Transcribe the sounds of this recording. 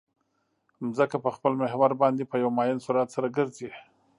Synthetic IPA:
mzəkapəxpəlmɪɦwaɾbɑnd̪epəjawmɑjɪnsuɾat̪saɾaɡəɾze

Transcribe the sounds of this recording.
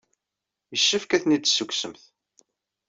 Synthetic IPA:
jəʃːəfkæθnid̪sːəkʷːsəmθ

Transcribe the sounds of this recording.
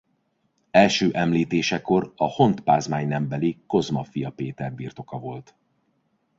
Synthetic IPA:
ɛlʃøːʔɛmliːt̪eːʃɛko̞rɒho̞nt̪paːzmaːɲnɛmbɛliko̞zmɒfijɒpeːt̪ɛrbirt̪o̞kɒvo̞lt̪

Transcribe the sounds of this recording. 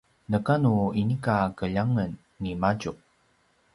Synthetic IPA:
nəkanuinikakəʎaŋənː | imaɟu

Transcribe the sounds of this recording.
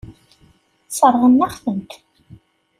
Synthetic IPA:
sˤərˤʁənːæχθəmt̪

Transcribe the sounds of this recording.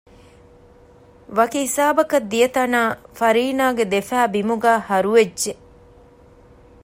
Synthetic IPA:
ʋɐkiɦisaːbɐkɐd̪ːijɐt̪ɐnaːfɐɾiːnaːɡed̪efæːbimuɡæːhɐɾuʋedʒe

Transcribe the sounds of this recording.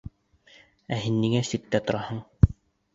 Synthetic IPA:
æɦinːiŋæsit̪ːæt̪ŏɾɑhɤɴ

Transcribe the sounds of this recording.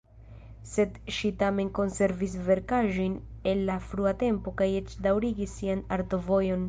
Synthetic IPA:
se̞d̪ʃitame̞nko̞nse̞ɾvis̬ve̞ɾkaʒo̞jne̞lːafɾuate̞mpo̞kajet͡ʃdawɾiɡisːianaɾto̞vo̞jo̞n

